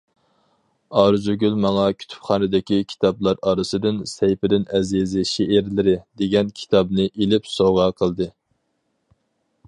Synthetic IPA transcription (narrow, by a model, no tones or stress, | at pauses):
ɑɾzyɡʲylmɑŋɑkʲʰy̥t̪ʰy̥pχɑːnɨd̪ɪkʲikʲʰi̥t̪ʰɑblˠɑɾɑːɾɨsɨd̪ɪnsɛjpɪd̪ɪnɛzizɪʃeʔɪɾlɪɾɪd̪eɡʲɛnkʲʰi̥t̪ʰɑbnɨʔelɪpsoʁɑqʰəlˠd̪ɨ